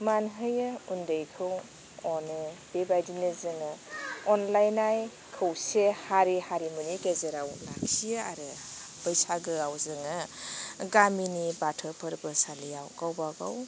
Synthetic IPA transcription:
manɦɯjɯundɯjkʰɯw | ɔnɯb̥ebajdinezɯŋɯɔnlajnaj | kʰɯwsehaɾihaɾimuniɡezeɾawlaksiaa̰ɾɯpəjsaɡɯawzɯŋɯ | ɡaminibatʰɯpʰəɾbɯsaliawɡawbaɡa̰w

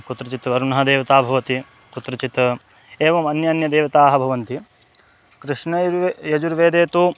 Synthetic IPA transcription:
kut̪ɾɐt͡ʃit̪ʋɐɾunɐɦɐd̪eːʋɐt̪aːbʱɐʋɐt̪i | kut̪ɾɐt͡ʃit̪ɐ | eːʋɐmɐnjɐːnjɐd̪eːʋɐt̪aːɦɐbʱɐʋɐnt̪i | kɾɨʂnɐjɐd͡ʒuɾʋeːd̪eːt̪u

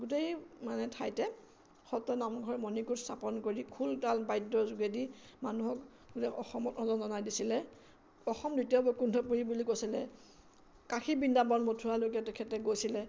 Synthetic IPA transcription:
ɡut̬ejmanɛtʰajtɛ | xɔtɔnamɡʱɔɹmɔnikuɹstʰapɔnkoɹikʰultalbajdːɔzuɡedimanuɦɔk | ɡutɛɔxɔmɔtɔzɔnzɔnajdisilɛ | ɔxɔmdutiɔbɔkundʱɔpuɹibulikojsilɛ | kaxʰibindabɔnmotʰualok̬atɛkʰɛtɛɡojsilɛ

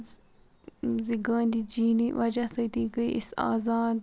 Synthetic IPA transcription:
ziɡaːnd̪id͡ʒiːniʋɐd͡ʒasɐit̪iɡəiʔisa̰ːzaːd̪

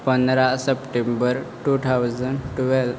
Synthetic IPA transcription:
pənɾasəpʈẽmbəɾʈut̪ʰawzəɳʈʋɛl

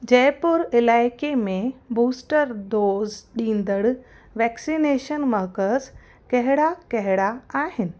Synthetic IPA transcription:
d͡ʑɛːpʊɾɪlaːɪkemẽbuːsʈəɾd̪oːzɗĩːnd̪əɽ | ʋɛːksineːʃənməɦkəz | kɐɦɪɽakɐɦɪɽaaːɦɪnɪ̆

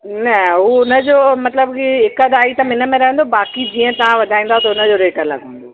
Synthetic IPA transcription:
nɐɦuʊnəd͡ʑoːmɐt̪ləbkiɦɪkəd̪aːit̪ɐmɪnə̆mẽɾɐɦə̃n̆d̪obaːkid͡ʑiːə̃t̪ɐʋ̤ãʋɐd̪ʱaːĩːn̆d̪aɦot̪ɐʊnə̆d͡ʑoɾeːʈəlɐ̰ɡʱno

